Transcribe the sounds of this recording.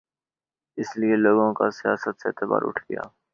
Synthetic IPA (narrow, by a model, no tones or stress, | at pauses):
ɪslieloːɡõkasijaːsət̪seːt̪əba̰ːɾʊ̰ʈʰɡɪ̰ja̰ː